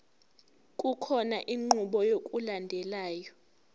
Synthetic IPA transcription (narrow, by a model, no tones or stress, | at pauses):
kʼukʰɔnaʔiŋ͡ǃuɓɔjokʼulandʱɛlaːjɔ